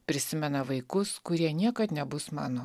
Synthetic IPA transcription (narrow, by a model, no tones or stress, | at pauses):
pʲɾʲɪsʲɪmʲɛnɐʋɐɪkʊskʊɾʲiɛnʲiɛkɐt̪nʲɛbʊsmɑ̰ːnoː